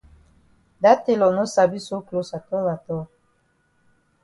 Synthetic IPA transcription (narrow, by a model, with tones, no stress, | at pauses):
da˦te˨lɔ˨no˦sa˨bi˦so˦klo˦sa˨tɔ˦la˨tɔ˦